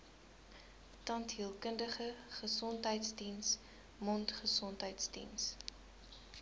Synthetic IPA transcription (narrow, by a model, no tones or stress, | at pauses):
tɐntɦiəlˠkəndəχəχəsɔntɦəjtsdins | mɔntχəsɔntɦəjtsdḭns